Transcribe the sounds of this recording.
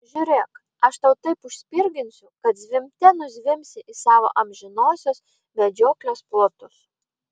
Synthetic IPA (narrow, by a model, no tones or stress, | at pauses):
ʒʲʊɾʲeːk | ɐʃt̪ɐʊt̪ɐɪpʊʃsʲpʲɪɾʲɡʲɪnʲsʲʊkɐt̪zʲʋʲɪmʲt̪ʲɛnʊzʲʋʲɪmʲsʲɪʔɪsɑːʋo̰ːʔɐmʲʒʲɪnoːsʲoːs | mʲɛd͡ʒʲoːklʲoːsplˠoːt̪ʊs